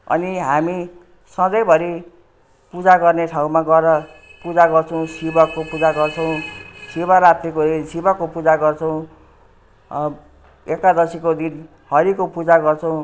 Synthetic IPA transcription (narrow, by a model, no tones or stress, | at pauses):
ʌ̰niɦami | sʌd̪ʌjbʱʌɾi | pud͡zaɡʌrneʈʰaũmaɡʌɾʌ | pud͡zaɡʌrt͡sʰʌw̃sibʌkːopud͡zaɡʌrt͡sʰʌw̃sibaɾat̪ːikod̪insibakːopud͡zaɡʌrt͡sʰʌw̃ | ekːad̪ʌsikod̪in | hʌɾikopud͡zaɡʌrt͡sʰʌw̃